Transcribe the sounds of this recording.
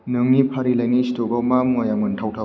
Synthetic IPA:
nɯŋnipʰaɾilajnistoɡɔwmamŋɔjaŋmɯntʰawtʰaw

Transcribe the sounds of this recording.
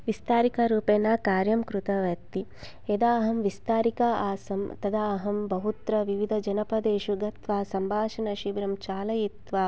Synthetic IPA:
ʋist̪aːɾikɐɾuːpeːnaːkaːɾjɐmkɾut̪ɐʋɐt̪i | ed̪aːɦɐmʋist̪aːɾikaaːsɐmt̪ɐd̪aːɦɐmbɐɦut̪ɾɐʋiʋid̪ʱɐd͡ʒɐnɐpɐd̪eːʃuɡɐt̪ʋaːsɐmbʱaːʃɐnɐʃibɾɐmt͡ʃaːlɐjit̪ʋaː

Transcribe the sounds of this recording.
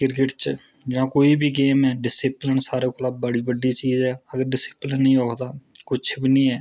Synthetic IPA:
kɪɾkɪʈt͡ʃ | d͡ʒãːkoːiːbiːɡeːmɛːɖɪsɪplənsaːɾeːkʰolaːbbəɽiːbəɖiːt͡ʃiːzɛːəɡəɾɖɪsɪplənːĩːoːkʰd̪aːkʊt͡ʃʰbiːnĩːɛː

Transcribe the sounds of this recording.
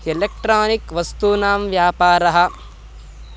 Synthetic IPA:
elek̚ʈɾaːnikʋɐst̪unaːmʋjaːpaːɾɐɦɐ̆

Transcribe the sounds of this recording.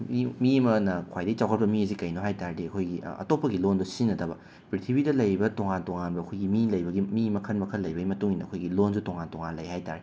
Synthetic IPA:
imimɐnɐkʰwajdɐit͡ʃawkʰɐt̚pɐmiɐzikɐjnoɦajtaɾdiɐkʰojɡḭɐ̰topːɐɡilondosinːɐtɐbɐ | pɾitʰibidɐlɐjbɐtoŋantoŋanbɐɐkʰojɡimilɐjbɐɡimimɐkʰɐnmɐkʰɐlɐjbɐɡimɐtuŋinːɐɐkʰojɡilonzutoŋantoŋanlɐ̰jhajta̰ɾe

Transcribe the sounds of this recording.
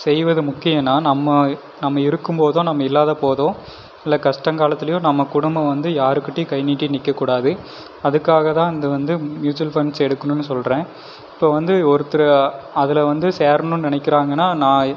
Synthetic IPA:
sɛjʋɐðɯmʊkːɪjɐnːaːnɐmːɐ | nɐmːɐɪɾɯkːɯmpoːðõːnɐmːɐɪlːaːðɐpoːðõː | ɪlːɐkɐʂʈɐŋkaːlɐt̪ːɪlɐjõnɐmːɐkʊɽʊmbɐʋɐnd̪ɯjaːɾɯkːɪʈːekɐɪniːʈːinɪkːɐkːuːɽaːðɯ | ɐðɯkːaːɣɐt̪ãːɪnd̪ɯʋɐnd̪ɯmjuːt͡ʃɐlfɐɳsɛɽɯkːɐnʊ̃nːɯsɔlɾẽː | ɪpːoːʋɐnd̪ɯɔɾɯt̪ːɪɾɐɐðɪlɐʋɐnd̪ɯseːɾnʊ̃nnɪɳɐɪkːɪɾaːŋɡɐnːaːnãː

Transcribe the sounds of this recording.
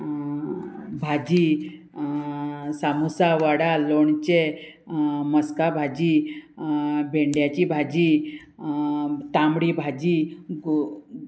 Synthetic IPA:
bʱad͡ʑi | samusaʋəɽaloɳt͡ɕe | məskabʱad͡ʑi | bʱeɳɖjat͡ɕibʱad͡ʑi | t̪amɽibʱad͡ʑi

